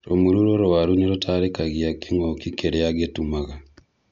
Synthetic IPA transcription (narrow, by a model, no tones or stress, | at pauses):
ɾomuɾuɾoɾowaɾuneɾotʰaɾekaɣiakiŋokikeɾeaɡetumaɣa